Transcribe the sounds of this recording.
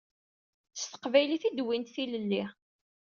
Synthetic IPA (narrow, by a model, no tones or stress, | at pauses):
θəst̪ə̥qvæjliθid̪wint̪θiləlːi